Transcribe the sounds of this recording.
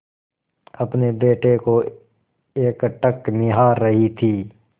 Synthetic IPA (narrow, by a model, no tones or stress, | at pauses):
ɐpnebeːʈeko | eːkʈəknɪɦaːɾːɐɦit̪ʰiː